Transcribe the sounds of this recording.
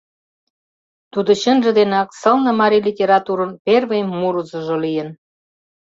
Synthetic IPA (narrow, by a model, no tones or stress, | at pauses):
t̪ud̪oɕə̆nʒə̆d̪enɑksə̆lnə̆mɑɾilʲitʲeɾɑt̪uɾə̆nperβemːuɾuzə̆ʒŏlijən